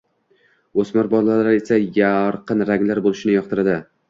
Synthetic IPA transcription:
ɵsmaɾbɒlalaɾe̞sajaɾqɨnɾaŋlaɾbolˠɪʃɪnɪjɒq̚t̪ʰɪɾad̪ɪ

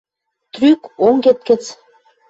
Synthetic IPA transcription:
t̪rykoŋɡet̪̚kə̆t͡s

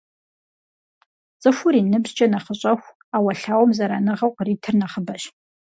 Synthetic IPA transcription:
t͡sʼɨxʷʊɾiːnɨbzt͡ʃʼɐnɐχəɕʼɐxʷ | aːwɐɬaːwɔmzɐɾanɨʁɐwqəriːtʰɨrnɐχəbɐɕ

